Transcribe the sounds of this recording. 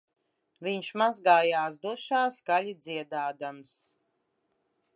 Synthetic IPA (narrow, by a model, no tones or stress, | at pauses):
viɲʃmazɡaːjaːs̬d̪uʃaːskalʲid̪zʲiɛd̪aːd̪ams